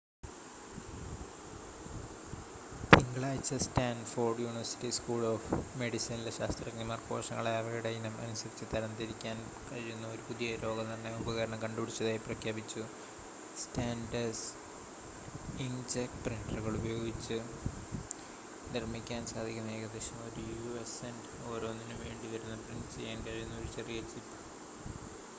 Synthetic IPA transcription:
t̪iŋɡɐɭaːjit͡ɕːɐstaːnɖfo̞ːrɖjuːniʋɐrsi̥ʈːiskuːɭoːfme̞ɽisɐnileɕaːst̪rɐknimaːrko̞̰ːʂɐŋːɐɭajɐʋɐjuɽejinɐmɐ̰nusɐɾit͡ɕːɨt̪ɐɾɐnd̪iɾikʲːaːn | kɐɻijunːɐoɾupuðijɐɾo̞ːɡɐt̪ɐnːeubɐɣɐɾɐɳɐkɐɳɖupiɽit͡ɕːɐðaːjiprɐkʰjaːbit͡ɕːu | staːnɖɐs | ind͡ʑekpriɳɖɐruɣɐɭubɐjo̞ːɡit͡ɕːɨ | nirmikʲːaːnsaːd̪ʱikʲːunːɐeːɣɐd̪rɐɕjɐmoɾujuesen | o̞ːɾo̞ːnːinɨʋe̞ːɳɖiʋɐɾunːɐpriɳɖt͡ɕe̞̰jːaːnkɐɻijunːɐo̞ɾut͡ɕerijɐt͡ɕipːɨ

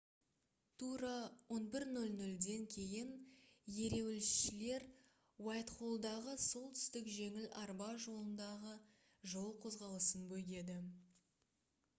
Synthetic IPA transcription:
t̪ʰuɾɑwo̞nbɪɾnɵlnɵld̪e̞ŋkʲʰe̞jɪnje̞ɾe̞wɪlɪsʃɪle̞ɾ | wɑjt̪χolˠd̪ɑʁəso̞lˠt̪ʰʏ̥st̪ɪkʒe̞ŋɪlɑɾbɑʒo̞lˠənd̪ɑʁə | ʒo̞lˠqʰo̞zʁɑlˠəsənbɵɡʲe̞d̪ɪ

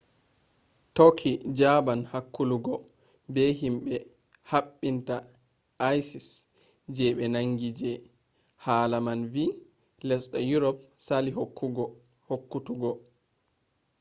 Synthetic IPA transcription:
tokʰːid͡ʒabanhakːuluɡɔ | bɛhimɓɛ | haɓːinta | ajsis | d͡ʒɛɓɛnaŋɡid͡ʒɛ | haːlamanvi | lɛsɗɔjuɾɔp̚salihɡ | hokːutuɡɔ

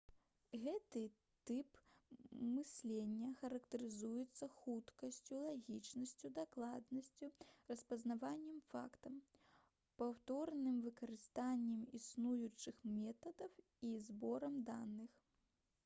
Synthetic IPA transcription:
ɣɛt̪ɨ | t̪ɨp | mɨsʲlʲenʲːɐxɐɾɐkt̪ɐɾɨzujɛt̪sːɐxut̪kɐsʲt͡sʲulˠaɣʲit͡ʂnɐsʲt͡sʲud̪aklˠad̪nɐsʲt͡sʲurɐspɐznavanʲːɛmfa̰kt̪ɐm | pawt̪ɔrnɨmvɨkɐɾɨst̪anʲːɛmisnujut͡ʂɨxmʲɛt̪ɐd̪ɐw | izbɔɾɐmd̪anɨx

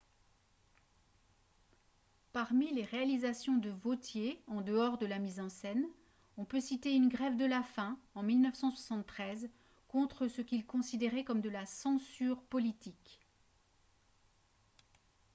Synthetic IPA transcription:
paʁmileʁealizasjɔ̃d̪əvot̪jeɑ̃d̪əɔʁd̪əlamizɑ̃sɛn | ɔ̃pøsit̪eynɡʁɛvd̪əlafɛ̃ɑ̃milnœfsɑ̃swasɑ̃t̪ːχɛz | kɔ̃t̪χəsəkʲilkɔ̃sid̪eʁɛkɔmd̪əlasɑ̃syʁpɔlit̪ik

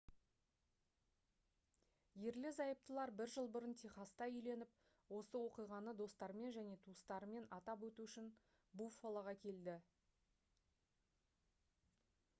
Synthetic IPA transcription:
je̞ɾlɪzɑjəp̚t̪əlˠɑɾbɪɾʒəlˠbʊɾənt̪ʲʰeχɑst̪ɑʏjle̞nɪp̚ | wo̞səwo̞qijʁɑnəd̪o̞st̪ɑɾəme̞nʒæne̞t̪ʰuəst̪ɑɾəme̞nɑt̪ɑpwɵt̪uʏʃɪn | bufolˠɑʁɑkʲʰe̞ld̪ɪ

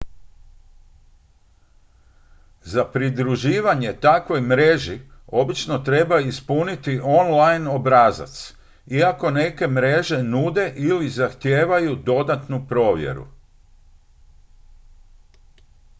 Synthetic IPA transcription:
zapɾid̪ɾuʒiːʋaɲe̞t̪akʋo̞jmɾe̞ʒio̞bit͡ʃno̞t̪ɾe̞baispunit̪iʔo̞nlajno̞bɾaːza̰t̪s | iako̞ne̞ke̞mɾe̞ʒe̞nud̪e̞ʔilizaxt̪jeːʋajud̪o̞d̪at̪nupɾo̞ːʋje̞̰ɾṵ

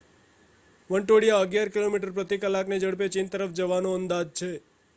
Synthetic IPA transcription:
ʋəɳʈoɽijaəɡjaɾkilomiʈəɾpɾət̪ikəlːakned͡ʒəɽpet͡ʃɪnt̪əɾəfʰd͡ʒəʋanõənd̪ad͡ʒt͡ʃʰe

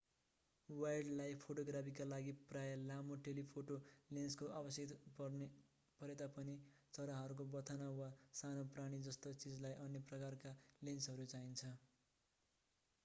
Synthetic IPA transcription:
wajɖlajpʰoʈoɡrapʰikalaɡiprajʌlamoʈelipʰoʈolenskoʔabʌsjʌt̪pʌrne | pʌɾet̪apʌni | t͡sʌɾaɦʌɾuk̬obʌt̪ʰʌnawasanopraɽ̃id͡zʌst̪ot͡sid͡zlajʔʌnjʌprʌkarkalensɦʌɾut͡saint͡sʰʌ

